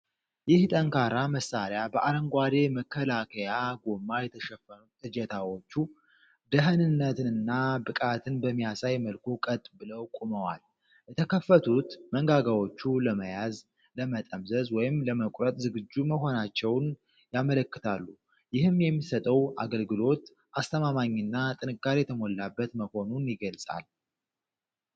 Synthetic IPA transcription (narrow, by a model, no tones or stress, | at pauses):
jɪht̪ʼəŋkaɾaməsːaɾjabəʔaɾəŋɡʷad̪e̞məkʰːəlakʰəjaɡo̞mːajɛt̪ʰəʃɛfːənut̪ʼɨd͡ʒət̪ʰawo̞t͡ʃːu | d̪əɦənɨnːət̪ɨnɨnːabɨkʼat̪ʰɨnbəmːijasajməlkʰukʼət̪ʼbɨləwkʼuməwa̰l | jɛt̪ʰəkʰəfːət̪ʰut̪məŋɡaɡawo̞t͡ʃːuləməjaz | ləmət̪ʼəmzəzwɔjɪmləməkʷʼɾət̪ʼzɨɡɨd͡ʒːuməɦo̞nat͡ʃːɛwn | jamələkːɨ̥t̪ʰalːu | jɪhɨmjɛmːisət̪ʼəwa̰ɡəlɡɨlo̞t̪ | ʔast̪ʰəmamaɲːɨnːat̪ʼɨnɨkːaɾijɛt̪ʰəmo̞lːabːət̪məho̞nunjɪɡəlsʼa̰l